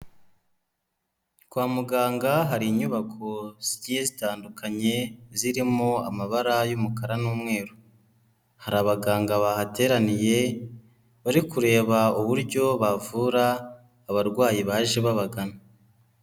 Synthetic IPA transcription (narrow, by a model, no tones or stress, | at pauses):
kwaːmuɡaːŋɡaɦaɾiɲuβakʰo̞z̥iɟihezitaːndukʰaɲe̞ziɾimoa̰maβaɾajumukaɾanuːmŋe̞ːɾu | haɾaːβaɡaːŋɡaβahate̞ːɾanije̞ | βaɾikuɾe̞ːβauβuɾɟo̞βavuɾaː | βaɾɡwaːjiβaːʒeβaβaɡana